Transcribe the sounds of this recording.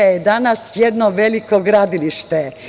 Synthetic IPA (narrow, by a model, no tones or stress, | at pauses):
ajed̪anasjed̪noʋe̞likoɡɾaːd̪iliʃt̪e